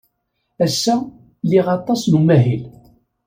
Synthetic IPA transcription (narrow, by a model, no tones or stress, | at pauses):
æsːæ | liʁɑt̪ˤːɑsnumæɦil